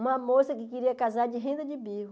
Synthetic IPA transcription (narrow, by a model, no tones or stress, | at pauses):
ũmɐmosɐkɪkiɾiɐkazaɾd͡ʒɪɦẽnd̪ɐd͡ʒɪbiɦʊ